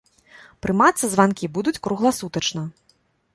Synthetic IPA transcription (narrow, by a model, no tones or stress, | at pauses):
pɾɨmat̪sːɐzvankʲibud̪ut͡sʲkɾuɣlˠɐsut̪ɐt͡ʂnɐ